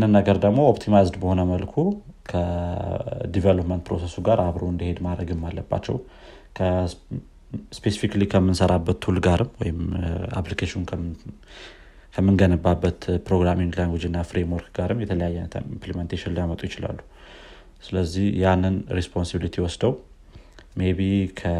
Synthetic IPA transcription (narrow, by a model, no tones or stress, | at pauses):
janːɨnːəɡəɾd̪əɡmo̞opt̪ʰimajzd̪bəho̞nəməlkʰukʰə | d̪ivelopmənt̪pʰɾo̞se̞suɡaɾʔaβɾoɨnd̪əhe̞d̪mad̪ɾəɡɨmːalːəbːa̰t͡ʃːɛ̰w | kʰə | spe̞sifiklikʰəmːɨnsəɾʔabːət̪ːʰulɡaɾɨmːwɔjɪma̰plikʰeʃiunkʰ | kʰəmːɨnɡənəbːabːət̪pɾo̞ɡɾamiŋlaŋɡɨd͡ʒɨnːafɾemwoɾkɡaɾɨmjɛt̪ʰələjajːɛimpliment̪ʰeʃinljamət̪ʼujɪt͡ʃɪla̰lːu | sɨləzːihjanːɨnɾespʰonsibilit̪ʰiwɔsd̪əw | me̞βikʰə